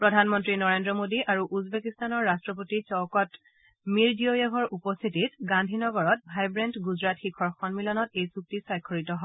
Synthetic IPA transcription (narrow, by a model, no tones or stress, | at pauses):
pɹɔdʱanmɔntɹinɔɹendɹɔmodiʔaɹuʔuzbekistanɔɹːastɹɔp̬otit͡ʃɔwkɔt | miɹdijojaɡʱɔɹʔupɔstʰititɡandʱinɔɡɔɹɔtbʱajbɹɛntɡuzɹatxikʰɔɹxʰɔnmilɔnɔtejsuk̚tisɔjkʰːoɹitɔɦɔ